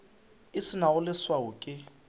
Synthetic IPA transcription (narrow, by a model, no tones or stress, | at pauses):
ɪsɪnaʊlɪswaʊkʼɪ